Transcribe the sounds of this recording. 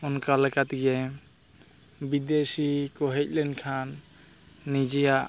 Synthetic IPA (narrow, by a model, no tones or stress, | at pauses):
ɔnkalɛkat̪iɡɛ | bid̪esikɔɦɛc̚lɛnkʰanː | id͡ʒɛjaʔ